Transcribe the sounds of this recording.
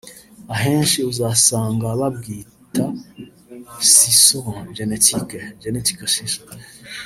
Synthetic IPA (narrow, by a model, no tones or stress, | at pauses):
aɦe̞ːnʃiuzaːsaːŋɡaβabɡiː | ta | sisoʒenetʰikeʒeneti̥kesiso̥